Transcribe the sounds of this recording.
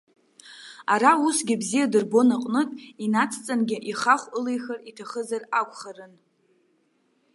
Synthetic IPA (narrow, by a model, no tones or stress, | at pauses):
aɾausɡʲɪbzijadɨrbo̞naqʼnɨtʼinat͡sʰt͡sʼanɡʲɪʔiχaχʷɨlejxaritʰaχəzarakʷʼχarɨn